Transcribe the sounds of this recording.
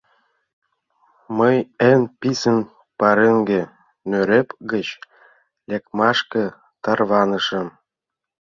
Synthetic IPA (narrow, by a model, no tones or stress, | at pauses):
məjenpisən | pɑɾeŋɡe | nøɾepɡət͡ɕ | lekmɑʃkə̆ | t̪ɑrβɑnə̆ʃə̆m